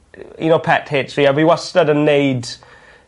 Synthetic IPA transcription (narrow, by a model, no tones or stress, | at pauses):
jə̰noʊpʰɛtheːtsiɛvəiwʌstədə̃nːeɪd